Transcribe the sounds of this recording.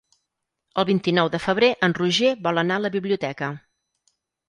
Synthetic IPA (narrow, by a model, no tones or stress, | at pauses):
əlˠβint̪inɔwðəfəβ̞ɾeʔənruʒeβɔlˠənaələβiβliut̪ɛkə